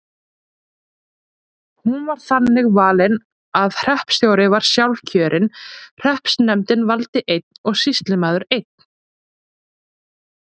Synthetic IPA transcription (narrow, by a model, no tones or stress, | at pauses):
hunvaɾ̥θanːɪɣvaːlɪn | aðr̥ɛhpsjoːwɾɪvaɾ̥sjawlcʰœːɾʔɪnr̥ɛhpsnɛmt̪ɪnvalt̪ɪʔejt̪̚nɔɣsist̪lɪmaːðʏɾejt̪̚n̥